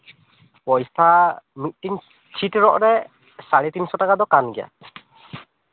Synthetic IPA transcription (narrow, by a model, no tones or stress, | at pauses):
pɔjst̪ʰamit̪̚ˀtiŋ | t͡ʃʰitɹɔʔɹɛ | saɭit̪insɔtakad̪ɔkanɡɛja̰